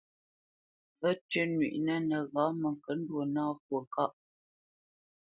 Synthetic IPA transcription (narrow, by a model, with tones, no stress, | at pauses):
və˦tə˦nɥḭ˨ʔnə˦nə˨ɣa˨˦mə˨ŋ˨kə˨˦n̩˦dwo˨naː˦kwə˨ka˦ʔ